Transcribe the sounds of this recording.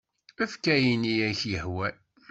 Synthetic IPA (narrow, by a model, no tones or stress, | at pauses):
æfkæjinijæçjəhwæ